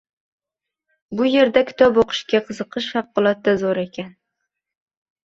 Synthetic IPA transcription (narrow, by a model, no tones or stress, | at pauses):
bʊje̞ɾd̪akʲʰɪ̥t̪ʰɒboqʰɨ̥ʃkʲaqʰɨzɨqɨʃfɑqːɨlˠat̪ːazoɾekʲan